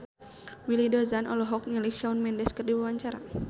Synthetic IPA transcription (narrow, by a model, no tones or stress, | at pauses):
wilidɔzanʔɔlɔɦɔk̚ɲəliʃaunmɛndɛskərdiwawaɲt͡ʃaɾa̰